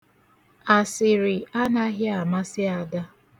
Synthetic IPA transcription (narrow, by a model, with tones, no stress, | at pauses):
a˨sɪ˨ɾɪ˨a˦na˦ɦɪ˦a˨ma˦sɪ˦a˨da˦